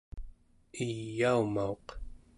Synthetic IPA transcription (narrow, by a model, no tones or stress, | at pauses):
ijːaumao̞q